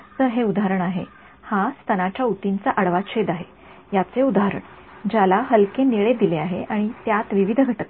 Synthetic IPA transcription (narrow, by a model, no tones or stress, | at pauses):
d͡zəɦeud̪aaɾəɳaɦe | hast̪ʰənat͡ɕjaut̪int͡saʔəɽʋaɕed̪aɦe | jat͡seud̪aɦɾə̰ɳ | d͡ʑalaɦəlkeniɭed̪ileaɦeʔaɽ̃it̪jat̪ʋiʋid̪ʱɡʱəʈək